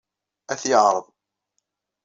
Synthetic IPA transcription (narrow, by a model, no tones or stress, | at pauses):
æθjəʕɾˤəðˤ